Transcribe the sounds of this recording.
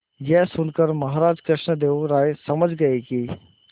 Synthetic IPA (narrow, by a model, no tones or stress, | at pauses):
jɛːsʊnkəɾmɐɦaːɾaːd͡ʒkɾɪʃnəd̪eːoɾaːesɐməd͡ʒɡɐekiː